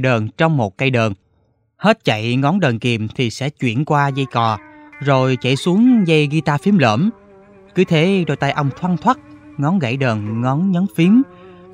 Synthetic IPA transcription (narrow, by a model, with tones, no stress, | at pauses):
ɗəː˨˩nt͡ɕɔ˧wŋ͡mmo˨˩t̚ka˧jɗəː˨˩n | he˦˥t̚t͡ɕa̰˧˨jŋɔ˨˦nɗəː˨˩nki˨˩əmt̪ʰi˨˩sɛ̰˧˥t͡ɕwḭ˧˩ənkwaː˧zə˧jkɔ˨˩zo˨˩jt͡ɕa̰˧˩jsu˨˦əŋzə˧jɣi˧t̪aː˧fi˨˦əmlə̰ː˧˩m | kɨ˨˦t̪ʰe˨˦ɗo˨˩jt̪aː˧jʔə˧wŋ͡mt̪ʰwa˧nt̪ʰwa˦˥t̚ŋɔ˨˦nɣa̰˧˩jɗəː˨˩nŋɔ˨˦nɲɔ˨˦nfi˨˦ən